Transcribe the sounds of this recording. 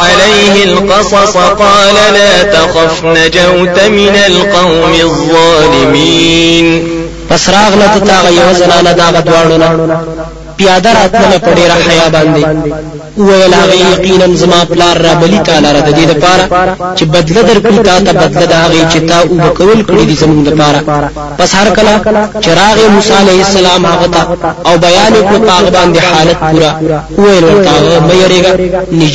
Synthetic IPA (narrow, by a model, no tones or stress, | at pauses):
alejhɪlqɑsˤɑsˤqɑːlalaːt̪axafnad͡ʒawt̪amɪnalqɑwmɪðˤɑːlɪmiːn | pasɾɑɣlat̪at̪ɑːɣajawazanɑnad̪ɑɣad̪wɑːɳəna | pjɑd̪aɾɑt̪ləlap̪əɖeɾaħajɑbɑnd̪e | əwajəlhaɣajaqinanzamɑplɑɾːɑbalit̪alaɾad̪əd̪ed̪əpɑɾat͡ʃebad̪lad̪əɾkɽit̪ɑt̪abad̪lad̪aɦaɣet͡ʃet̪ɑʔubəkawəlkɽid̪izamuŋɡləpɑɾa | pashaɾkəlat͡ʃeɾɑɣemusɑalahɪsalɑmhaɣat̪aːwbajɑnekɽopəhaɣabɑnd̪ehɑlat̪̚puɾa | əwajəlwəɾt̪ahaɣaməjaɾeɡanɪd͡ʒ